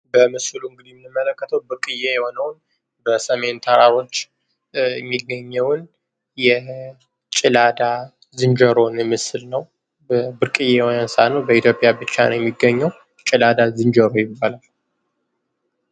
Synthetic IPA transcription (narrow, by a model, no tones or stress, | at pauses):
bəmɨsluɨŋɡɨd̪ijnɨmːələkːət̪ʰəwbɨɾkʼɨjejɛho̞nəwn | bəsəme̞nt̪ʰəɾaɾo̞t͡ʃː | jɛmːiɡəɲːəwn | jɛ | t͡ʃʼɪlad̪a | zɨnd͡ʒəɾo̞njɛmɨsɨlnəw | bəbɨɾkʼɨjewonansanəwbəit̪ʰjo̞pʼjabɨt͡ʃːa̰nəwjɛmːiɡːəɲːəw | t͡ʃʼɪlad̪azɨnd͡ʒəɾo̞jɪbːalal